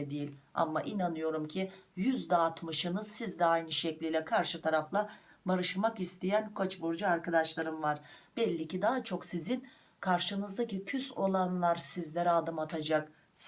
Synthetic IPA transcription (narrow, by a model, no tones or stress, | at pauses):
ɛd̪ejilʲa̰mːaʔinanɯjo̞ɾumcʰijyzd̪ɛːt̪mɯʃɯnɯzsizd̪ɛajnɯʃɛclʲijlʲɛkʰaɾʃɯt̪ʰaɾaflˠa | baɾɯʃmakist̪ʰijænkʰot͡ʃbuɾd͡ʒuaɾkad̪aʃlˠaɾɯmvaɾ̥b̥ɛlʲːicid̪aɦat͡ʃʰo̞ksizin | kʰaɾʃɯnɯzd̪acicʰyso̞lˠanlˠaɾsizlʲeɾɛad̪ɯmat̪ʰad͡ʒak | s